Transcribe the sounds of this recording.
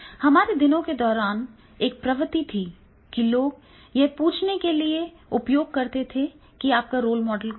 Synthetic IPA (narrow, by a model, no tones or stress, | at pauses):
hɐmaːɾed̪ɪnõked̪ɔːɾaːn | eːk̚pɾɐʋət̪it̪ʰi | kiloːɡ | jɐɦpuːt͡ʃʰnekelie | ʊpjoːɡ̚kɐɾt̪et̪ʰe | kiaːp̚kaɾoːlmɔːɖəlk